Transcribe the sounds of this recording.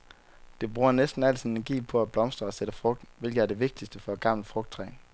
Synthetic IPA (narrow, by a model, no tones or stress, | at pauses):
d̥e̝b̥ʁuːɐnesd̥n̩æl̰t͡ssienɡ̥ḭːpʰɒ̽æb̥lɒ̽msd̥ʁɐɒ̽seɾ̥əfʁɔ̽ɡ̥̚d̥n̩ʋe̝lɡ̥ð̩ˠæɐd̥e̝ʋe̝ɡ̥̚d̥isd̥əfɒ̽æɡ̥ɑ̈m̰ləfʁɔ̽ɡ̥̚d̥̚t͡sʰʁɛ̰ː